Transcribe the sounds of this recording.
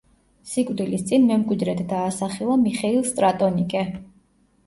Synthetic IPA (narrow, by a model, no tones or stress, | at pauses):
sikʼvd̪ilist̪sʼinmɛmkʼwid̪ɾɛt̪ʰd̪aːsaχilˠamiχɛilˠst̪ʼɾat̪ʼɔnikʼɛ